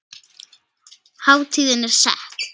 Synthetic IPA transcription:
haːwt̪ʰiːðɪnɛɾ̥sɛ̰ht̪

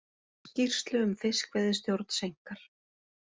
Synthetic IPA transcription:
scir̥st̪lʏʏmfɪskvɛðɪst̪jowɾt̪n̥sejŋ̥kaɾ̥

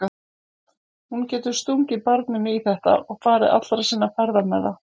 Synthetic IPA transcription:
a | huncɛːt̪ʏɾ̥st̪uŋcɪpaɾt̪nʏmɪiθɛht̪a̰ʔɔɣfaːɾɪʔa̰t̪lɾasiːnːafɛɾðamɛða

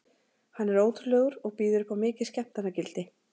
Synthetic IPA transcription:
hanːɛɾoːwt̪ʏɾlœːɣʏɾɔɣpiːðʏɾʏpawmɪːcɪ̥scɛm̥t̪anːacɪlt̪ɪ

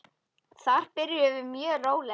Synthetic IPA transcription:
θaɾ̥pɪɾjɪœvʏɾmjœːroːwlɛ

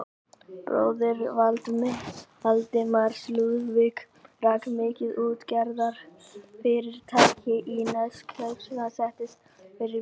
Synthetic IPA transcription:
pɾo̰ːwðɪɾvalt̪mɪ | alt̪ɪmaɾ̥sluðvɪk | raːkmɪːcɪðuːt̪cɛɾðaɾ̥fɪɾɪɾ̥t̪ʰaːcɪʔinœskʰlœpsɪnasɛht̪ɪs | fɪɾɪ

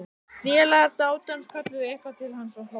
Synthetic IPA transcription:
vjɛlaɾt̪aːwt̪anskʰvat̪lʏɛhkat̪ʰɪlhanːsawlo

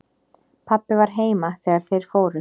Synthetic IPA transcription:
pʰapːɪvaɾ̥ɦeːjmaθɛːɣaɾ̥θejɾ̥foːwɾʏ

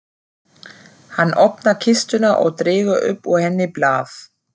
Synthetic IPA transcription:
hanːʔɔpnacʰɪst̪ʏnaʔɔ̰ɣt̪ɾɪːɣʏʔʏ̰pːɔɣhɛnːɪplaːθ

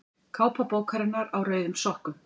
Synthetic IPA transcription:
kʰaːwpapoːwkʰaɾɪnːaɾawrœːɥðʏmsɔhkʏm

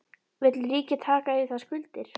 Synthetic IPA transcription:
vɪt̪lriːcɪt̪ʰaːkaɪθaskʏlt̪ɪɾ̥

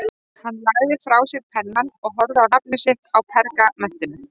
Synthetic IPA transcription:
hanːlaːɣðɪfɾaːwsjɪɾ̥pʰɛnːanɔɣɦɔɾðɪawnap̚nɪsɪhkawpʰɛɾkamɛn̥t̪ɪnʏm

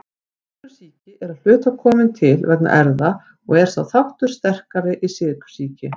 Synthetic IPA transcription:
t̪ʏ̥siːcɪʔɛɾaðl̥ʏːt̪akʰɔːmɪnt̪ʰɪlvɛkna̰ʔɛɾða | ɔɣɛɾ̥sa̰wθawht̪ʏɾ̥st̪ɛr̥kaɾɪʔisɪːðɪkʏ̥siːcɪ

